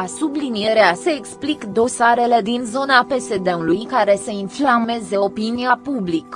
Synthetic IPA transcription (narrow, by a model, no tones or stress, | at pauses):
asublinije̞ɾease̞ːksplikd̪o̞saɾe̞le̞d̪inzo̞nape̞se̞d̪e̞ulujkaɾe̞seinflame̞ze̞o̞piniapublik